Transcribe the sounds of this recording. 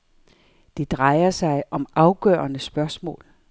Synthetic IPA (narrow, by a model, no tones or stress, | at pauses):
d̥ed̥ʁɑ̈ɪɐsɑ̈ɪʔɒ̽mɑ̈ʊɡ̥œ̰ːɐnəsb̥ɶɐsmɔ̰̽ːl